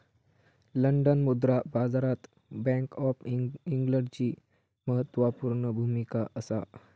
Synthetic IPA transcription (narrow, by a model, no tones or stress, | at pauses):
ləɳɖənmud̪ɾabad͡zaɾat̪ | bɛ̃ŋkɔfiŋɡləɳɖt͡ɕiː | məɦət̪ːʋapuɾɳəbʱumikaʔəsa̰